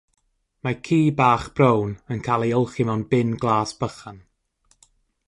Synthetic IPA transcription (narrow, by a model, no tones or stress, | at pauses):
makʰiːbaːχb̥rownənkʰalˠiɔlˠχimawnbɪnɡlˠaːsb̥əχan